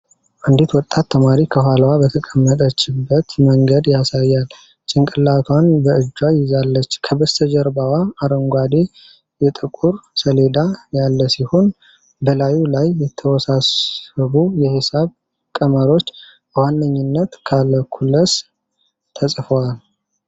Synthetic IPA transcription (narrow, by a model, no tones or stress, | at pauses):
ʔɨnd̪it̪wɔt̪ʼːat̪ʰːəmaɾikʰəɦalwabət̪ʰəkʼəmːət̪ʼət͡ʃːɪbːət̪məŋɡəd̪jasajːal | t͡ʃʼɪŋkʼɨlːat̪ʰwanbəɨd͡ʒːwajɪzalːət͡ʃːkʰəbəst̪ʰəd͡ʒəɾbawaːɾəŋɡʷad̪e | jɛt̪ʼɨkʼuɾsəle̞d̪ajalːəsiho̞n | bəlajulajːɛt̪ʰəwɔsasəβujɛhɨsaβ | kʼəməɾo̞t͡ʃː | bəwanːəɲːɪnːət̪kʰaləkʰulːəs | t̪ʰəsʼfəwal